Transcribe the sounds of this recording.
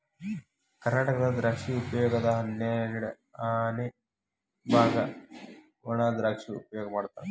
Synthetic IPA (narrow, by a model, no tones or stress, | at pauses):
kɐɾnaːʈɐkɐd̪ɐd̪ɾaːkʂiupɐjoːɡɐd̪ɐɦɐnːjɐniɽɐ | ne | bʱaːɡɐ | oɳaːd̪ɾaːkʂiṵpɐjoːɡɐmaːɽt̪ːaːnɛ